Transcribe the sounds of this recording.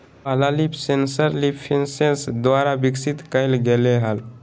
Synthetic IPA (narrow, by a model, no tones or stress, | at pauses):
palalipʰsensəɾlipʰensensd̪waɾabiksit̪kəɪlɡeleɦəl